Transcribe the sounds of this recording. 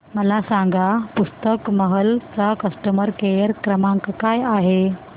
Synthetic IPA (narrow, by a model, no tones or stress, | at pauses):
məlasãŋɡapust̪əkməɦəlt͡sakəsʈəməɾkejəɾkɾəmãŋkkajaɦe